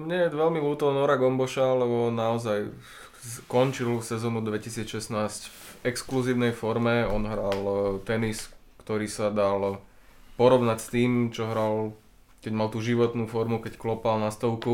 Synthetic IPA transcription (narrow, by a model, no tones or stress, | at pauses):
mɲɛjɛʋɛlmiluːt̪ɔɔnɔɾaɡɔmbɔʃalɛbɔnːaɔzaj | kɔnt͡ʃilfsɛzɔːnud̪ʋɛcisiːt͡sʃɛsnaːscvɛkskluziːʊnɛjfɔɾmɛɔnɦɾalt̪ɛniskt̪ɔɾiːsad̪al | pɔɾɔʊnacst̪iːmt͡ʃɔɦɾal | kɛɟmalt̪uʒiʋɔt̪nufɔɾmukɛcklɔpalnast̪ɔʊku